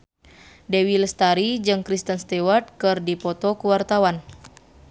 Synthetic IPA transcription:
dɛwilst̪aɾid͡ʒɨŋkɾist̪ənst̪ɛwat̪̚kɨrdipɔt̪ɔkuwart̪awan

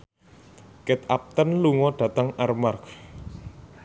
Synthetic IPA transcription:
kɛt̪ap̚t̪ənluŋɔɖ̪̥ä̤t̪əŋarmark

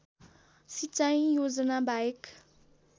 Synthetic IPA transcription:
sit͡saj̃jod͡zʌnabaek

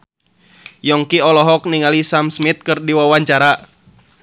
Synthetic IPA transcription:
jɔŋkiɔlɔɦɔk̚niŋalisamsmit̪̚kɨrdiwawaɲt͡ʃaɾa

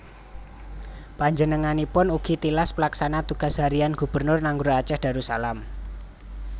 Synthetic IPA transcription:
paɲd͡ʒənəŋanipʊnuɡ̥i̤t̪ilaspəlaksanat̪uɡ̥a̤sɦaɾianɡ̥ṳb̥ərnʊrnaŋɡuɾoat͡ʃɛhd̥a̤ɾusa̰lam

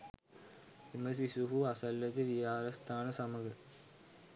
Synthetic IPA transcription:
imɐsisuɦuɐsɐlːɐt̪ɨʋijaːɾɐst̪ʰaːnɐsɐmɐɡɐ

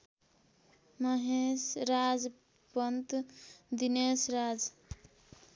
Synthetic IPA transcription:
mʌɦesɾad͡z | pʌnt̪d̪inesɾad͡ʒ

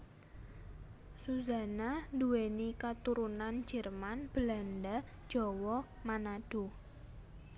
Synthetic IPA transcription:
suza̤nanduwenikat̪uɾunand͡ʒ̥ɛ̤rmanb̥əlandḁ | ʒ̥ɔ̤wɔ | manaɖ̥o̤

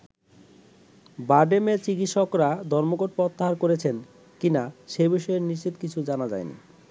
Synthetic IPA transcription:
baɖemet͡ɕikit̪ʃokɾad̪ʱɔɾmoɡoʈ̚pɔt̪ːaɦaɾkoɾet͡ɕʰen | kinaʃejbiʃɔeɾniʃt͡ɕit̪kit͡ɕʰud͡ʑanad͡ʑa̰jnḭ

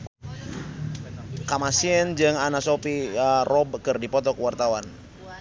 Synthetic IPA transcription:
kamasiɛnd͡ʒɨŋanasopirɔb̚kɨrdipɔt̪ɔkəwart̪awan

